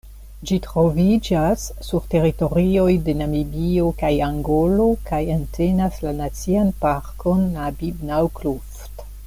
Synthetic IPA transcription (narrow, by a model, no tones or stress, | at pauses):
d͡ʒitɾo̞vid͡ʒasːuɾte̞ɾito̞ɾio̞jde̞namibiokajaŋɡo̞lo̞kajantʰe̞naslanat͡sianpaɾko̞nlabibnawkluft